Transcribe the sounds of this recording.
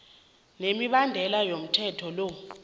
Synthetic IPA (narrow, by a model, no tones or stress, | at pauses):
nemiɓandʱɛlajom̩tʰɛtʰɔlo